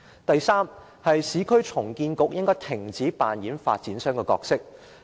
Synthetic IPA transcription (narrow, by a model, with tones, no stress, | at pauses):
t̪ɐ˨jsaː˥m | hɐ˨jsiː˨˥kʰɵ˥ɥt͡sʰʊ˨˩ŋkiː˧nkʊ˨k̚jɪ˥ŋkɔː˥t̪ʰɪ˨˩ŋt͡siː˨˥paː˨njiː˨˥nfa̰ː˧t̚t͡siː˨˥nsœː˥ŋkɛː˧kɔː˧k̚sɪ˥k̚